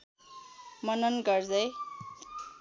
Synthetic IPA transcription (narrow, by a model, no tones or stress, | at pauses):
mʌnʌnɡʌrd͡zʌj